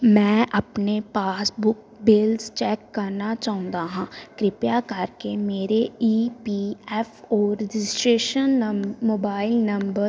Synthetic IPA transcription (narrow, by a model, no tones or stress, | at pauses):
mɛ̃ːʔəpnepaːsbʊk | bɪlzt͡ʃɛːkːəɾnat͡ʃaːʊ̃nd̪aːɦãːkɾɪpjakəɾkemeːɾeiːpiːɛːfʰɔːɾːɪd͡ʒɪɪsʈɾeːʃənːəmoːbaːɪlnəmbəɾ